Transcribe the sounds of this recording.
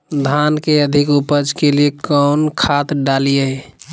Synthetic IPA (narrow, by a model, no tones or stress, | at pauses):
d̪ʱankeəd̪ʱikupəd͡ʒkelijekɔʊnkʰat̪ɖalijeɦɛ